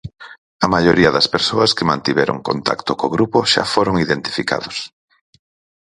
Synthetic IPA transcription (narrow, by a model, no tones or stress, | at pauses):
ɐmaʎoɾiɐðɐspeɾsoɐskemãnt̪iβɛɾo̰ŋko̰nt̪ʰa̰kt̪ʊkoɣɾupoʃa̰foɾoŋiðent̪i̥fika̰ðos